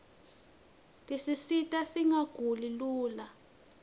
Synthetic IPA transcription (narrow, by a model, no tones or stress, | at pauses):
tʼisisitʼasiŋaɡ̥ʱuliluːla